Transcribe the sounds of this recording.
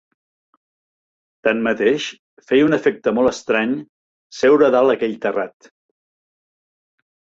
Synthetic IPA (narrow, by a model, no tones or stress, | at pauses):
t̪anmət̪eʃ | fɛjunəfek̚t̪əmɔlˠəst̪ɾaɲ | sewɾəðalˠəkɛʎt̪ərat̪